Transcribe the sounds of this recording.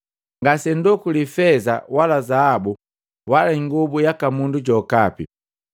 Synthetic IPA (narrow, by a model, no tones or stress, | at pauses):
ŋɡasɛndukulifɛza̰walazaabu | walaiŋɡubujakamunduɟɔkapi